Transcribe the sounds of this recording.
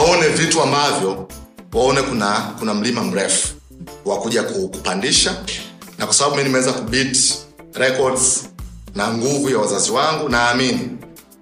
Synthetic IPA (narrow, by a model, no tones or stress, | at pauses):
aɔnɛvituambavjɔwaɔnɛkunakunam̩limam̩ɾɛfu̥ | wakuʄakuku̥pandiʃanakwasaɓaɓuminimɛwɛzakuɓiti̥ɾɛkɔdznaŋɡuvujawazaziwaŋɡunaːmini